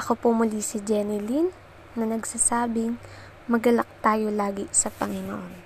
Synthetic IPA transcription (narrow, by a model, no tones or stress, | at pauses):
ʔɐkopomʊlisid͡ʒɛnɪlinː | ɐnɐɡsasaːbɪŋ | mɐɡɐlɐk̚t̪aːjolaːɡɪsɐpɐŋɪno̰ʔon